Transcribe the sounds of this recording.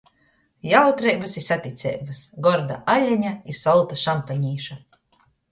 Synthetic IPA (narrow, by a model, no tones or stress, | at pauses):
jawt̪ɾɛjbasisat̪ʲit̪sʲɛ̰jbasɡɔɾd̪a̰ʔalʲːaɲaisɔlˠt̪aʃampaɲʲiːʃa